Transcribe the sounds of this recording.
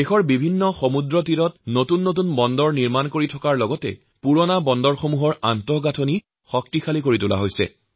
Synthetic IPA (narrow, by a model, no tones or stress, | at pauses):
exɔɹbibʱinːɔxomudɹɔt̬iɾɔtnotunːot̬unbɔndɔɹniɹmankoɹitʰɔkaɹlɔɡɔtɛ̰ | puɹɔnabɔndɔɹxomuɦɔɹantɔɡatʰoni | xɔk̚tixalikoɹitula̰ɦojsɛ̰